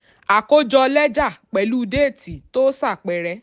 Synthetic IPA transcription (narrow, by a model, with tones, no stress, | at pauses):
a˨ko˦d͡ʒɔ˧lɛ˦d͡ʒa˦˨k͡pɛ˨lu˦˧de˦e˦˨ti˨to˦sa˦˨k͡pɛ˧ɾɛ˧˦